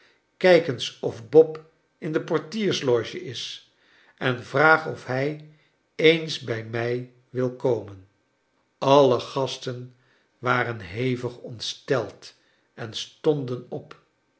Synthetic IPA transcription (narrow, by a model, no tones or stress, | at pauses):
kɛjkənsɔfbɔp | ɪndəpɔɹtiːɹslɔʒəʔɪs | ɛnvraːχɔfɦɛj | ejnsbɛjmɛj | ʋɪlˠkowmən | ɑləχɑstən | ʋaːrənɦejvəχɔntstɛlˠt | ɛnstɔndənɔp